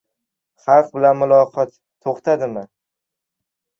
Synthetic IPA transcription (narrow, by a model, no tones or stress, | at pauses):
χɑlˠq̚bɪlanmʊlˠɒqʰɒt̪ʰːoχt̪ʰad̪ɪmɪ